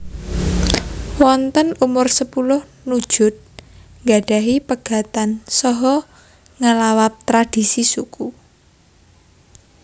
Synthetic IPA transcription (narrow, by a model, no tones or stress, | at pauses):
wɔnt̪ənumʊrsəpulʊh | nud̥ʒ̥ʊ̤t̪̚ | ŋɡaɖ̥a̤ɦipəɡ̥ä̤t̪ansɔɦɔ | ŋəlawap̚t̪ɾad̥i̤sisuku